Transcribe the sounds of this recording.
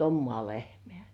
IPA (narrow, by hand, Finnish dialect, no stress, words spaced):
omːŏɑˑ lehmĕæˑ